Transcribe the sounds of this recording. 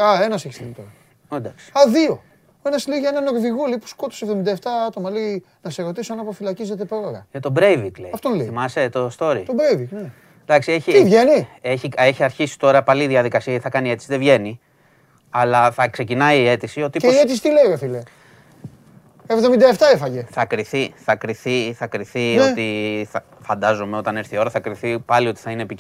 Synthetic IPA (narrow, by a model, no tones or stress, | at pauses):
ɐe̞nɐseçisiit̪oɾɐ | od̪ɐksi̥ɐðio̞ | e̞nɐsleiʝɐenɐno̞ɾðiɣoleipu̥sko̞t̪osevðomind̪ɐeft̪ɐɐt̪o̞mɐlei | nɐseɾo̞t̪isoɐnɐpo̞filɐcize̞t̪e̞pɾo̞ɾɐɐt̪obɾejvik̪leɐft̪onlemɐset̪ost̪o̞ɾit̪obɾejvikne | d̪ɐksieçiivʝe̞nieçie̞çiɐɾçisi̥t̪o̞ɾɐpɐliðiɐðikɐsiɐeθɐkɐnie̞t̪i̥siðe̞vʝe̞ni | ɐlɐθɐkse̞cinɐiːe̞t̪isio̞t̪ieet̪isit̪ileiefile | evðomind̪ɐeft̪ɐefɐʝeθɐkɾiθiθɐkɾiθiθɐkɾiθiot̪iθɐ | fɐnd̪ɐzomeo̞t̪ɐne̞ɾθio̞ɾɐθɐkɾiθipɐlio̞t̪i̥θɐineːpi